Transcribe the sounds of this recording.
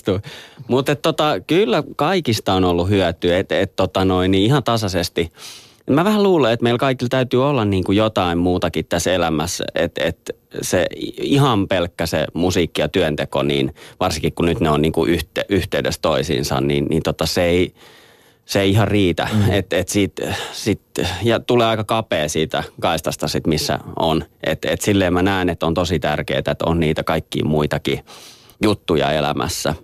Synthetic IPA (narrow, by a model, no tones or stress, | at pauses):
t̪umut̪et̪t̪ot̪ɑkylːækɑikist̪ɑonolːuhyæt̪yet̪et̪t̪ot̪ɑnoiniihɑnt̪ɑsɑsest̪i | emmæʋæhæluːleet̪meilkɑikilt̪æyt̪yːolːɑnniːŋkujot̪ɑimmuːt̪ɑkit̪t̪æselæmæsḛt̪ḛt̪ | seihɑmpelkːæsḛmusiːkːijɑt̪yønt̪eko̰nḭːnʋɑrsiŋkikkunyt̪neonniːŋkuʔyht̪eʔyht̪eydest̪oisḭːnsɑ̰nniːnnint̪ot̪ːɑsei | seiihɑrriːt̪æ̰et̪et̪siːt̪sit̪jɑt̪uleːɑikɑkɑpeːsiːt̪ækɑist̪ɑst̪ɑsit̪misːæ̰onʔḛt̪et̪silːeːmmænæˑinet̪ːont̪osit̪ærkḛːt̪æet̪o̰nniːt̪ækɑikːḭːmuit̪ɑki | jut̪ːujɑ̰elæ̰mæ̰sːæ̰